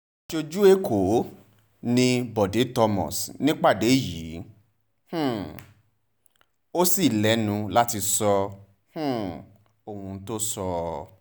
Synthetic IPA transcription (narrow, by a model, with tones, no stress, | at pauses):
ʃo˧d͡ʒu˦e˦kʰo˨˦ | nĩ˧bɔ˨de˨˦tɔ˧mɔ̰̃˨snĩ˦k͡pa˦˨de˨˦˨ji˨˦ | h̩˦˨ | o˦si˦˨lɛ˨˦nũ˧la˦ti˧sɔ˧ | hũ˦˨ | o˨hũ˧˦to˦sɔ˧